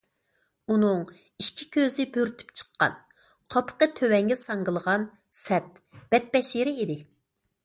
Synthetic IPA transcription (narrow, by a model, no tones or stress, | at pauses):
unɨŋ | iʃkʲʰi̥kʲʰøzɪbøɾt̪ʰy̥pt͡ʃʰə̥qːɑ̰n | qʰɑpʰə̥qət̪ʰøwɛŋɡʲɛsɑŋɡɨlˠəʁɑn | sɛt̪̚ | b̥ɛt̪̚bɛʃiɾɪid̪ɪ